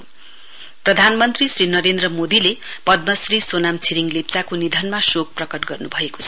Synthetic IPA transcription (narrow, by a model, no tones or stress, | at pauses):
prʌd̪ʱanmʌnt̪risrinʌɾend̪rʌmod̪ilepʌd̪̚mʌsrisonamt͡sʰiɾiŋlipt͡sakonid̪ʱʌnmasok̚prʌkʌʈɡʌrnubʱʌeko̥t͡sʰʌ